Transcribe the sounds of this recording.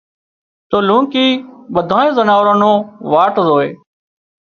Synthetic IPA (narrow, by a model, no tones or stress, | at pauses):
t̪oːlũːkiːɓəd̪ʱãːnẽːzənaːʋɾãːnõːʋaːʈzoːḛː